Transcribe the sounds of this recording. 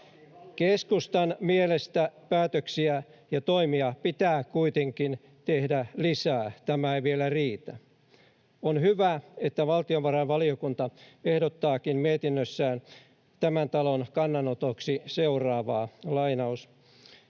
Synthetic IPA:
keskust̪ɑnmielest̪æpæːt̪øksiæjɑt̪oimiɑpit̪æːkuit̪eŋkin | t̪ehdælisæːt̪æmæeʋielæriːt̪æ | onhyʋæet̪ːæʋɑlt̪ioʋʋɑrɑnʋɑliokunt̪ɑehdot̪ːɑːkimmiet̪inːøsːæːn | t̪æmænt̪ɑlonkɑnːɑnot̪oksiseurɑːʋɑːlɑinɑus

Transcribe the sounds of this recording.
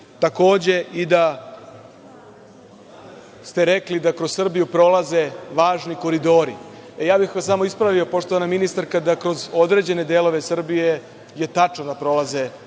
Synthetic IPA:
t̪ako̞ːd͡ʑe̞ʔid̪a | st̪e̞ɾeklid̪akɾossr̩bijupɾo̞lˠaze̞ʋaːʒniko̞ɾid̪o̞ːɾḭejaːbixʋasamo̞ispɾaʋio̞po̞ʂt̪oʋanaminist̪aɾkad̪akɾo̞zo̞d̪ɾed͡ʑe̞ne̞d̪e̞ːlo̞ʋe̞sr̩bije̞ | je̞t̪at͡ʂnod̪apɾo̞laze̞

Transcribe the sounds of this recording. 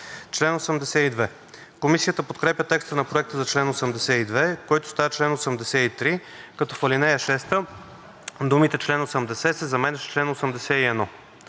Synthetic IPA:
t͡ʃlɛnosəmd̪ɛsɛid̪vɛ | komisijət̪əpot̪kɾɛpʲjət̪ɛkst̪ənɐpɾoɛk̚t̪əzɐt͡ʃlɛnosəmd̪ɛsɛid̪vɛkɔjt̪ʊst̪avət͡ʃlɛnosəmd̪ɛsɛit̪ɾi | kɐt̪ɔfəlinɛjəʃɛst̪ə | d̪umit̪ɛt͡ʃlɛnosəmd̪ɛsɛsɛzɐmɛnɛʃt͡ʃlɛnosəmd̪ɛsɛiɛd̪nɔ

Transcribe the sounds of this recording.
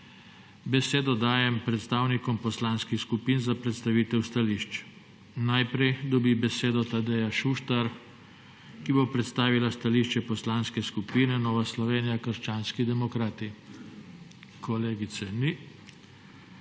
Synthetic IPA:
bɛseːd̪ɔd̪aːjɛmpɾɛt̪st̪aːwnikɔmpɔslanskixskupinzapɾɛt̪st̪aʋiːt̪ɛwst̪aliːʃt͡ʃ | najpɾɛjd̪ɔbibɛseːd̪ɔt̪ad̪ɛjaʃuʃt̪aɾ | kibopɾɛt̪st̪aːʋilast̪aliʃt͡ʃɛpɔslanskɛskupiːnɛnɔːʋaslɔʋeːnijakəɾʃt͡ʃaːnskid̪ɛmɔkɾaːt̪i | kʰɔleːɡit̪sɛni

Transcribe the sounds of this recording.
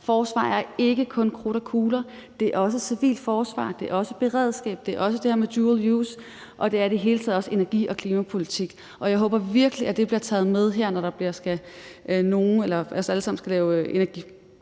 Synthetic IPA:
fɒːsʋɑ̰̈ːæɐe̝ɡ̥əkʰɔ̽nkʰʁo̝ɾ̥ækʰuːlɐ | d̥e̝æɐɒ̽s̬əsiʋḭːld̥fɒːsʋɑ̰̈ːd̥e̝ɐɒ̽səb̥e̝ʁɛ̰ð̞ˠsɡ̥ɛ̰ːb̥̚d̥e̝ɐɒ̽səd̥e̝heɐmed̥juːljuːs | ʔɒ̽d̥e̝æɐid̥eɦe̝ːlət͡sʰɛ̰ðˠɒ̽se̝nɐɡ̥ḭːʔɒ̽kʰliːmæpʰo̝lit͡sʰiɡ̥ | ʔɒ̽jɑɪɦɔ̽ːb̥ɐʋiɐɡ̥əliʔæd̥e̝b̥liɐt͡sʰɛ̰ːð̞̩ˠmeð̞ˠɦeɐ̰nɒɾ̥ɑ̈b̥liɐsɡ̥æ | no̝ːn̩elɐæsæləsɑ̈m̰n̩sɡ̥ælɛːʊøʔe̝næɐɡ̥ḭː

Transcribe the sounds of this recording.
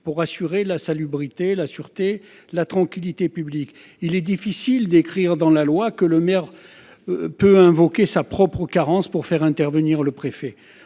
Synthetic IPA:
puʁasyʁelasalybʁit̪elasyʁt̪e | lat̪χɑ̃kʲilit̪epyblik | ilɛd̪ifisild̪ekχiʁd̪ɑ̃lalwakələmɛʁ | pøɛ̃vɔkʲesapχɔpχəkaʁɑ̃spuʁfɛʁɛ̃t̪ɛʁvəniʁləpχefɛ

